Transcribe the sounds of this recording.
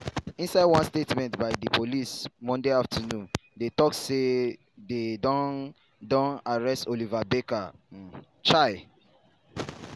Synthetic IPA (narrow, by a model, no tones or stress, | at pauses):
ĩnsaɪdwãnstetmɛ̃ntbaɪdipʰolismɔ̃ndeaftʰanũndetɔk̚tse | dedɔ̃n | dɔ̃naɹɛstolivabeka | t͡ʃaɪ